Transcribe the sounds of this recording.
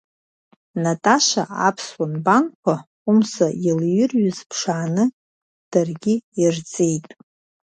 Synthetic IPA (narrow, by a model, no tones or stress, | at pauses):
natʼaʃa̰ʔa̰pʰswanbankʷʰa | umsailjɪrɥʊzpʰʂaʕanɨ | d̥arɡʲɪirt͡sʼejtʼ